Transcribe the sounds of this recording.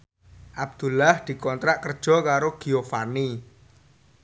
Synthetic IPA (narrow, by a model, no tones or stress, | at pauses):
ʔab̚d̪̥ṳlahd̪̥i̤kɔnt̪ɾaʔkərd̥ʒ̥ɔ̤kaɾoɡ̥i̤ofani